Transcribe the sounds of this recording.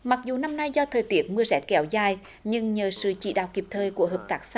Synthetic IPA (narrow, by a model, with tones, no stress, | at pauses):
ma˨˩k̚zu˨˩na˧mna˧jzɔ˧t̪ʰəː˨˩jt̪i˨˦ət̚mɨ˧əzɛ̰˧˥kɛ˧˩˦wzaː˧˩j | ɲɨ˧ŋɲəː˨˩sɨ̰˧˨t͡ɕḭ˧˨ɗa̰ː˧˨wki˨˩p̚t̪ʰəː˧˩jku˧˩əɦəː˨˩p̚t̪aː˨˦˥k̚sa˧